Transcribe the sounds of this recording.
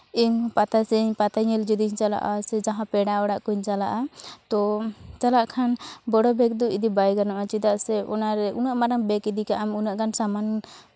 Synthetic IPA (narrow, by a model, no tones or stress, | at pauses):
iɲpat̪asɛɲpat̪aɲɛld͡ʒud̪iɲt͡ʃala̰ʔa̰sɛd͡ʒãɦãpɛɽaɔɽaʔkuɲt͡ʃala̰ʔat̪ɔt͡ʃalaʔkʰanbɔɽɔbɛk̚d̪uʔid̪ibajɡanɔʔat͡ʃid̪aʔsɛɔnaɾɛʔunaʔmaɾaŋbɛkid̪ikaʔamunaʔkansaman